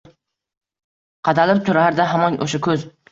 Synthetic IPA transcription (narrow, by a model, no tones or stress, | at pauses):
qʰɑt̪ʰalɪp̚t̪ʰʊɾahaɾd̪aɦamɒnʔo̰ʃakʰɵz